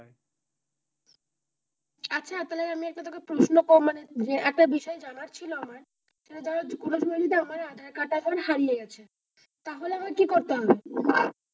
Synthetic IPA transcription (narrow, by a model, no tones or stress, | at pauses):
atːɕʰat̪ɔleɾamiɛk̚ʈat̪ʰɔkepɾoʃnokomaneeɛk̚ʈabiʃɔed͡ʑanaɾt͡ɕʰiloamaɾ | ʃeʈad͡ʑaɾad͡ʑkuɾoʃbolid̪iamaɾad̪ʱaɾkaʈad͡ʑaaɾɦaɾijeɡɛt͡ɕʰe | t̪aɦoleamaɾkikoɾt̪eɦɔbea